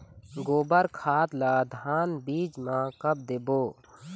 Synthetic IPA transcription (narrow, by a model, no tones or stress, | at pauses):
ɡoːbəɾkʰaːt̪laːd̪ʱaːnbiːd͡ʒmãkəb̚d̪eːboː